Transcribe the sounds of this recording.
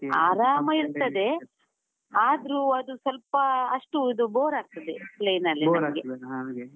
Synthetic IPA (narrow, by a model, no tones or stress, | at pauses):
aːɾaːmɐiɾt̪ɐd̪e̞ | aːd̪ɾuːɐd̪usɐlpɐːʂʈuid̪uboːɾaːɡ̚t̪ɐd̪epleːnɐlːiɐɡe